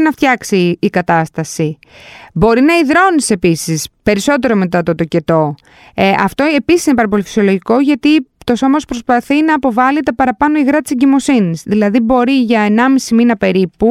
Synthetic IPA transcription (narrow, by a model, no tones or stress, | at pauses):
nɐft̪çɐksiːkɐt̪ɐst̪ɐsi | bo̞ɾinɐiðɾo̞nise̞pisispe̞ɾiso̞t̪̬e̞ɾo̞me̞t̪ɐt̪ot̪o̞ce̞t̪o̞ | ɐft̪o̞e̞pisisinepɐɾɐp̬o̞lifi̥sio̞loʝiko̞ʝɐt̪it̪o̞so̞mɐospɾospɐθinɐːpo̞vɐlit̪ɐpɐɾɐpɐno̞iɣɾɐt̪iseɲɟimo̞sinisðilɐðibo̞ɾiʝɐenɐmisiminɐpe̞ɾipu